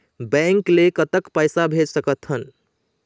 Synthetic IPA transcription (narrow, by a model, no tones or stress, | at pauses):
bəŋklekət̪əkpajsabʱed͡ʒsəkət̪ɦən